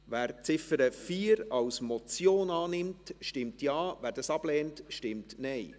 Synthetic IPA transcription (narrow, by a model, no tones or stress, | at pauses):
væːɾt͡sɪfəɾəfiːɾɑwsmɔt͡sjoːnɑːnɪmtʃtɪmtjɑːvæːɾd̥ɑsɑb̥lɛːntʃtɪmtnɛɪ